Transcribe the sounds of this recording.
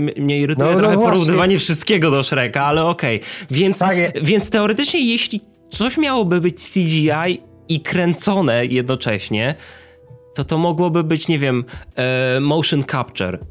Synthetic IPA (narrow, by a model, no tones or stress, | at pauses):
mɲɛiɾɘt̪ujɛt̪ɾxɛppɔɾuvnɨvaɲɛfʂɨst̪̚kʲeɡɔd̪ɔʂɛɾɛkaalɛɔkɛjvʲjɛnt̪svʲjɛnt̪st̪ɛɔɾɛt̪ɘt͡ʂɲɛjeɕlʲi | t̪sɔɕmʲjawɔbɘbɘt͡ɕsʲid͡ʑiaj | ikɾɛnt̪sɔnɛjɛd̪nɔt͡ʂɛɕɲɛ | t̪ɔt̪ɔmɔɡwɔbɘbɘt͡ɕɲevʲjɛm | mɔwʂɨnkap̚t͡ʂɛ̰ɾ